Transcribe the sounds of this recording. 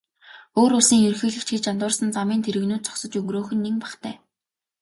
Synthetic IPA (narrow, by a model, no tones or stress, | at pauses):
oːɾʊɮsiːŋɵrxĭːɮɘ̆kt͡ɕɡet͡ɕant̪ʊːrsə̆nt͡samiːnt̪ʰeɾɘ̆ɣnuːt̪̚t͡sɔ̥ksɞ̆t͡ɕɵŋɡroːxɵ̆nːiŋpæχt̪ʰæ̰ː